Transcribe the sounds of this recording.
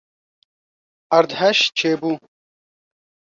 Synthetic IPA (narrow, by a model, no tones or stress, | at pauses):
ɐɾd̪hɐʃt͡ʃʰeːbu